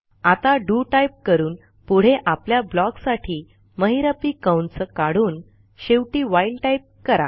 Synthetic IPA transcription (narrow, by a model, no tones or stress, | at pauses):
at̪aɖuʈajp̚kəɾuːn | puɽ̤eʔapljablɔksaʈʰiː | məɦiɾapikəwnsəkaɽuːn | ɕeʋʈiːʋajlʈajp̚kəɾa̰